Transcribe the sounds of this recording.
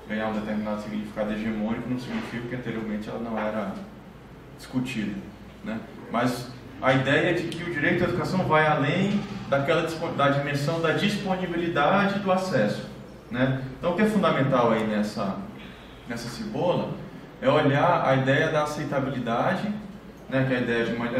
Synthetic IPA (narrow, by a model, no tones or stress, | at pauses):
ɡɐ̃jaũd̪et̪eɾminad̪ʊsiɡnifi̥kad̪ʊeʒemõnikʊnɐ̃w̃siɡinifikɐkɪɐ̃t̪eɾioɾmẽt͡ʃɪɛlɐnɐ̃w̃ɛɾɐ | d͡ʒi̥skut͡ʃid̪ɐ | nɛ | mɐz | ɐid̪ɛjɐd͡ʒɪkɪʊd͡ʒiɾejt̪ʊdɐed̪ukasɐ̃w̃vajalẽj̃d̪akɛlɐd͡ʒispod̪ad͡ʒimeɾsɐ̃w̃d̪ɐd͡ʒisponibilid̪ad͡ʒɪd̪ʊasɛsʊ̥ | nɛ̃t̪ɐ̃w̃ʊkɪɛfũd̪amẽnt̪awainɛsɐ | nɛsɐsibolɐ | ɛoʎaɾɐ̰id̪ɛjɐd̪ɐːsejt̪abilid̪ad͡ʒɪ | nɛkɐid̪ɛjɐd͡ʒɪmɐ